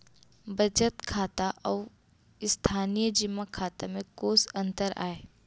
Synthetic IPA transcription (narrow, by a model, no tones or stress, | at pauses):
bɐd͡ʒət̪kʰaːt̪aʔɔː | ɪst̪ʰaːnijəd͡ʒɪmːakʰaːt̪amẽkoːsə̃nt̪əɾa̰ːeː